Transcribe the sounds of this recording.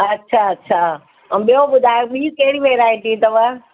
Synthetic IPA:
ɐtːʃʰaɐtːɕʰã | ɓijoɓʊd̪ʱaːjoɓiːkɐɦɪɽiʋeːɾaːĩt̪ʰit̪ɐʋə̃

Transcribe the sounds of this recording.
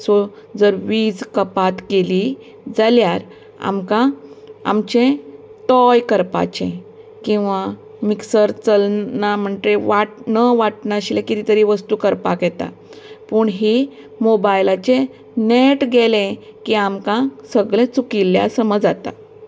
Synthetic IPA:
so | d͡zəɾʋiːd͡zkəpat̪keli | d͡zaljaɾ | a̰mkãa̰mt͡ɕẽt̪ɔjkəɾpa̰t͡ɕḛ̃ | kĩw̃ʋa | miksəɾt͡səlnam̤əɳʈeʋaʈnəʋaʈnaɕilẽkit̪it̪əɾiʋəst̪uːkəɾpa̰kjɛt̪a̰ | puːɳɦi | mobajlat͡ɕe | neʈɡelẽkiamkãsəɡɭẽt͡sukilːja̰səməd͡zat̪a̰

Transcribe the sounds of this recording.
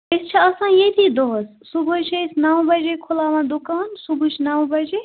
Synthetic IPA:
əst͡ʃʰiɐsãːjet̪id̪oːs | subʱot͡ʃʰejsnawbɐd͡ʒekʰolaːʋãd̪ukaːnsubʱut͡ʃʰnawbɐd͡ʒe

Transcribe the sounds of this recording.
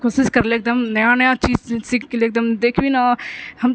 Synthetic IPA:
kosɪskɐɾleeːk̚d̪əmnɐjãnəjãt͡ʃiːd͡ʒsɪkʰkeleːk̚d̪əmd̪eːkʰbinahɐm

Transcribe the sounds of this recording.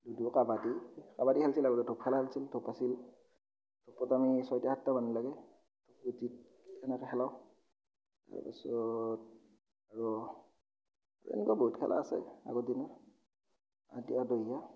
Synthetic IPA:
dudukabadikabadihalsilaɹudɔdʰʱɔp̚kʰɛlahalsiltʰɔpasil | tʰɔpːɔtamisɔjtahatːamanilaɡɛ | tʰɔputit̚ | kʰɛnakɛxʰɛlaʊ | ta̰ɹpḭsɔt̚ | aɹu | aḛnikɔboɦutkʰɛ̰lʔa̰ːsɛ̰a̰ɡɔdinɔ | a̰diadɔjja

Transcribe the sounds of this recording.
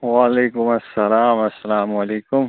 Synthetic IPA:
waːleːkʊmɐsːɐlaːmɐsːɐlaːmwɐleːkʊm

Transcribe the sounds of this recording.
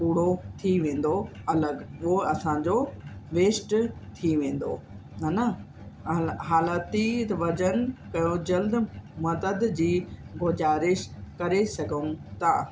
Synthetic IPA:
puːɽ̤ot̪ʰiʋẽːn̆d̪oɐləɡuɦoɐsãd͡ʑoʋeːsʈt̪ʰiʋẽːn̆d̪o̰ | ɦɐnə | ɦaːlaːt̪it̪ʋɐd͡ʑən̆kɐjõd͡ʑɐld̪mɐd̪əd̪d͡ʑiːɡozaːɾɪʃkɐɾesɐɡʱəʊ̃t̪aː

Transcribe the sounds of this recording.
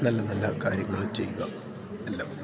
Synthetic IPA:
nɐlːɐnɐlːa̰ːka̰ːɾjɐŋːɐɭt͡ɕe̞̰jːuɣɐ | ɐlːɐ

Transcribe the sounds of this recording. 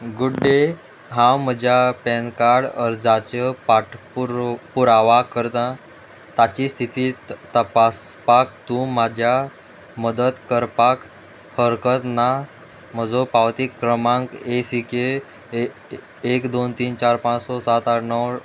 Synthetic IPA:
ɡuɖɖe | ɦãwm̤əd͡ʑʱjapɛnkaɽəɾd͡zat͡ɕəpaʈpuɾpuɾaʋakəɾt̪ã | t̪at͡ɕist̪ʰit̪iːt̪əpaspak̚t̪ũmad͡ʑʱja | məd̪ət̪kəɾpak | həɾkət̪na | m̤əd͡zɔpawt̪ikːɾəmãŋkesike | kd̪ont̪iːnt͡ɕaɾpãt͡ssɔsat̪aʈnəw

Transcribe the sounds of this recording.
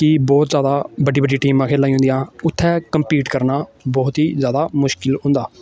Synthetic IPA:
kɪbɔːt̪zjaːd̪aːbəɖiːbəɖiːʈiːmãːkʰeːlaːĩɦʊ̃nd̪ijãːʊt̪ʰːɛːkəmpiːʈkəɾnaːbɔːt̪ɦiːzjaːd̪aːmʊʃkɪlɦʊ̃nd̪aː

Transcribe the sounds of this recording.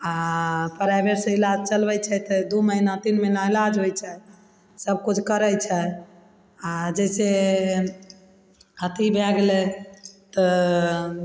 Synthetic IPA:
apəɾabeɾsilad͡ʒt͡ʃəlbɛjt͡ʃʰɛt̪əd̪uməɦinat̪inmenailad͡ʒɦojt͡ʃʰɛ | səb̚kut͡ʃʰkəɾət͡ʃʰɛ | ad͡ʒɛse | hət̪ibɛɡlet̪ɔ

